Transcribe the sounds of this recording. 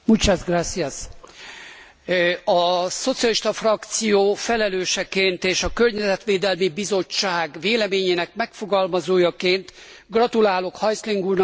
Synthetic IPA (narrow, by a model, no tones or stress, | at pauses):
mut͡ʃazɡrasːiɒs | ɒso̞t̪sijɒliʃt̪ɒfrɒkt̪sijoːfɛlɛløːʃɛkeːnt̪eːʃɒkørɲɛzɛt̪ʋeːd̪ɛlmibizo̞t͡ʃːaːɡʋeːlɛmeːɲeːnɛkmɛkfo̞ɡɒlmɒzoːjɒkeːnt̪ɡrɒt̪ulaːlo̞khɒjsliŋɡuːrn